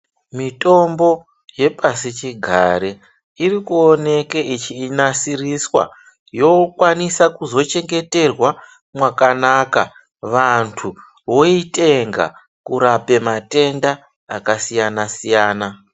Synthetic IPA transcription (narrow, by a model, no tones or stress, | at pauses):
mito̞mbo̞ | je̞pasit͡ʃiɡʱa̰ɾe | irikuone̞keit͡ʃiːnasiriswa̰ | jo̞kwanisakuzo̞t͡ʃe̞ŋɡe̞te̞rwa | mwakanaka | ʋantʰu | ʋo̞ite̞ŋɡa̰ | kuɾape̞mate̞ndaː | kasijanasijaːna